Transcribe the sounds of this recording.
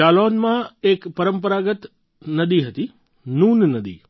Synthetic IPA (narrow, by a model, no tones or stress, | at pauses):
aːloːnmãeːkpɐɾə̃mpəɾaːɡət̪ | nɐd̪iɦɐt̪i | nuːnnɐd̪ḭː